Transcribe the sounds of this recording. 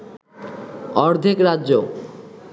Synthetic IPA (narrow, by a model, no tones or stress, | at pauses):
ɔɾd̪ʱikɾaʑo